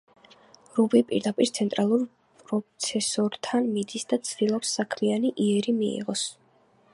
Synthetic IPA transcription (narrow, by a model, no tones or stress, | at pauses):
ɾubipʼḭɾd̪apʼiɾt̪sʰɛnt̪ʼɾalˠuɾ | pʼɾɔt̪sʰɛsɔɾt̪ʰanmid̪isd̪at̪sʰd̪ilˠɔpsːakʰmianiʔiɛɾimiḭʁɔs